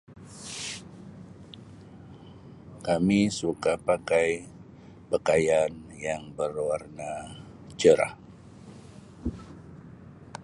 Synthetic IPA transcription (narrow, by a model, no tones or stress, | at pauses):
kamisukapakaj | pəkajanjaŋbərwarna | t͡ʃəɾa̰